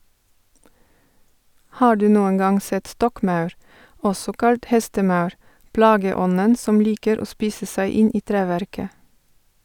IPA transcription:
ˈhɑː ˈɖʉː ˈnuːəŋ ˈɡɑŋ ˈsɛt ˈstɔkˌmɑʉɾ ˈʔɔsɔ ˈkɑlt ˈhɛstəˌmɑʉɹ ˈplɑːɡəˌɔnən ˈsɔm ˈliːkəɾ ˈoː ˈspiːsə ˈsæɪ ˈɪn ˈiː ˈtɾæːʋæɾkə

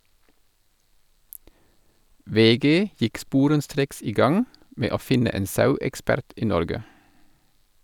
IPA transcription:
ˈʋeːˌɡeː ˈjɪk ˈspuːɾənˌstɾeːks ˈiː ˈɡɑŋ ˈmeː ˈoː ˈfɪnə ˈeːn ˈsɑʉɛkˌspæɾt ˈiː ˈnɔɾɡə

